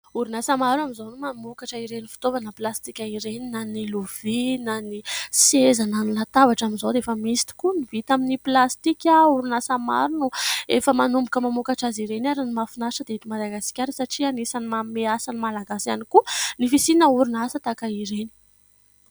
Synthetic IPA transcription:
uɾunasamaɾuamizonumamukaʈ͡ʂəiɾenifi̥t̪ovanəplast̪ikʲaiɾeninaniluv̥inanisezananilat̪avaʈ͡ʂaminzowd̪eefəmisi̥t̪i̥kunivit̪aminiplast̪ikʲauɾunasama̰ɾunuefəmanumbukəmamukaʈ͡ʂaziɾenaɾinimafinasəd̪eit̪imad̪aɡasi̥kʲaɾisaʈ͡ʂianisanimameasanimalaɡasianikunifisinəuɾunasət̪akaiɾeni̥

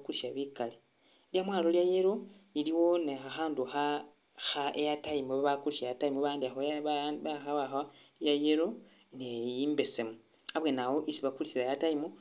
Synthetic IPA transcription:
kuliʃaβikale | ljamwaːlo̞ljajeɾo̞liliwo̞neaxaːnduxa | xaejataimuβaβakuliʃajataimuβaːndiaxoaββaxaβaxa | jajeɾo̞ | nejiːmbe̞semu | aβwe̞nawo̞ʔisiβakulisilajataimu

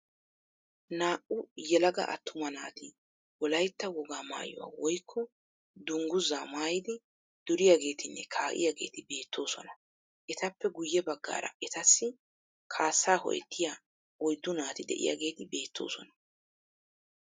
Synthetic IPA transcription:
naːʔʊjɛlɐɡɐ̰ʔɐ̰t̪ʰːʊmɐnaːt̪ɪ | wɔlɐjt̪ːɐwɔɡaːma̰ːjɔ̰wa̰ːwɔjkʰːɔ | d̪ʊŋɡʊzaːmaːjɪd̪ɪ | d̪̥ʊɾɪjaɡe̞ːt̪ɪnːɛkʰaːʔɪ̰jaɡe̞̰ːt̪ɪbe̞ːt̪ʰːo̞ːsɔnɐ | ʔɛt̪ɐpːɛɡʊjːɛbɐɡːa̰ːɾɐ̰ʔɛt̪ɐsːɪ | kʰaːsːaːhɔ̰ʔɛ̰t̪ːɪjaː | ɔjd̪ːʊnaːt̪ɪd̪ɛ̰ʔɪ̰ja̰ɡe̞ːt̪ɪbe̞ːt̪ʰːo̞̰ːsɔnɐ̥

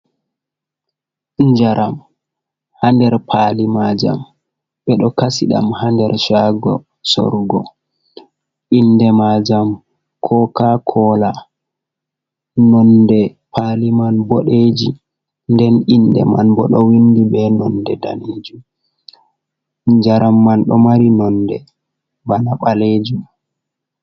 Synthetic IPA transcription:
ɲd͡ʒaɾam | handɛɾpʰalimad͡ʒa̰m | ɓɛɗɔkasiɗa̰mhandɛɾʃaɡɔ̰ | so̰ɾɡɔ | ʔinːdɛmad͡ʒam | kʰɔkakʰɔla | nɔndɛpʰalimanboɗed͡ʒi | ndɛnʔindɛ̰manbɔɗɔwindibɛnɔndɛda̰nid͡ʒum | d͡ʒaɾamːanɗɔmaɾinɔndɛ | banaɓaled͡ʒum

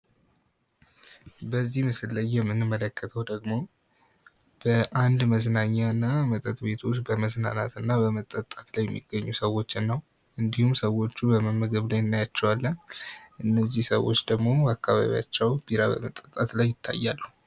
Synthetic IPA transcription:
bəzːihmɨsɨlːəjːɛmːɨnɨmːələkʰːət̪ʰəwd̪əɡmo̞ | b̥əʔand̪məznaɲːaɨnːamət̪ʼət̪ʼbe̞t̪ʰusbəməzna̰nat̪ɨnːabəmət̪ʼːət̪ʼat̪lajɛmːḭɡːəɲːusəwo̞t͡ʃːɪnːəw | ʔɨnd̪ihumsəwo̞t͡ʃːubəməmːəɡəβlajɪnːajat͡ʃːɛwalːənʔɨnːəzːihsəwo̞t͡ʃːd̪əɡmo̞akːaβa̰βḭja̰t͡ʃːɛwb̥iɾabə̰mət̪ʼːət̪ʼːat̪lajːɪt̪ʰːa̰jːalːəhu

